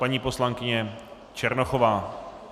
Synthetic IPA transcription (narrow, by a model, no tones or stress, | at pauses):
paɲiːpo̞slaŋkɪɲɛ | t͡ʃɛɾnoxovaː